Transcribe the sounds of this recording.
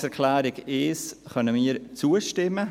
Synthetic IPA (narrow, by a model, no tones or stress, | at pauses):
sɛɾkʰlæːɾɪɡeːsχœnəmiːɾt͡suːəʃtɪmːə